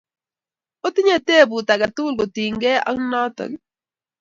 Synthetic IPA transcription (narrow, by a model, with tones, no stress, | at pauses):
o˦tɪ˦ɲa˦˨te˦˨bu˨ta˨ɡa˨tʊ˦lɡo˨ti˨ŋɡɛ˦ɔ̰˦ŋ˦nɔ˦tɔ̰˨ɡɪ˨